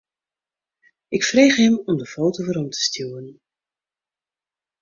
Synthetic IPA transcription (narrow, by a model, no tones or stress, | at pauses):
ʔɪkfreːχɦɛmɔmdəfowtovəɾɔmtʰə̥stjuwən